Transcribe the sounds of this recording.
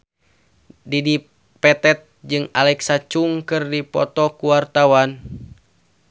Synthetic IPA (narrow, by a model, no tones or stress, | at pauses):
didi | pɛt̪ɛt̪̚d͡ʒɨŋalɛksat͡ʃuŋkɨrdipɔ̰t̪ɔkuwart̪awan